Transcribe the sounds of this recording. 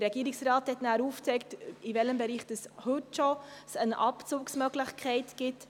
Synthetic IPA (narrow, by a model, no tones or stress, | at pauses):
dəɾɛɡ̥iːɾɪksɾɑːthɛtnæːɾuːft͡sɛɪktɪvɛləmbɛɾiːχd̥əshɵtʃosənʔɑ̰pt͡suːksmœɡlɪχkʰɛɪtɡ̥ɪt